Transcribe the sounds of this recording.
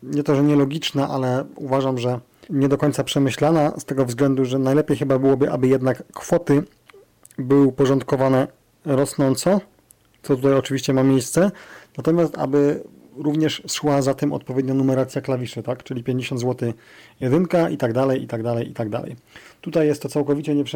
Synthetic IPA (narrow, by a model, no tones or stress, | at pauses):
ɲɛt̪ɔʐɛɲɛlɔɡʲit͡ʂnaʔa̰lɛuvaʐamʐɛ | ɲɛd̪ɔkɔɲt̪sapʂɛmɘɕlanast̪ɛɡɔvzɡlɛnd̪uʐɛnajlɛpʲjejxɘbabɘwɔbɘʔa̰bɘjɛd̪nakːfɔt̪ɘ | bɘwɘpɔʐɔnt̪kɔvanɛ | ɾɔsnɔnt̪sɔ | t̪sɔt̪ut̪ajɔt͡ʂɘviɕt͡ɕɛmamʲjejst̪sɛnat̪ɔmʲjast̪a̰bɘ | ɾuvɲɛʂʂwazat̪ɛmɔ̰t̪̚pɔvʲɛd̪ɲanumɛɾat̪sʲjaklavʲiʂɘt̪akt͡ʂɘlʲipʲjeɲd͡ʑeɕɔnd̪zwɔt̪ɘjɛd̪ɘŋkaʔit̪aɡd̪alɛjḭt̪aɡd̪alɛjit̪aɡd̪a̰lɛ̰jt̪ut̪ajɛst̪ːɔt̪sawkɔvʲit͡ɕɛɲɛpʂ